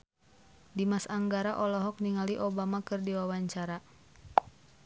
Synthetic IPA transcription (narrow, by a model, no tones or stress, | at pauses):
dimasaŋɡaɾaʔɔlɔɦɔk̚niŋaliʔɔbamakɨrdiwawaɲt͡ʃaɾa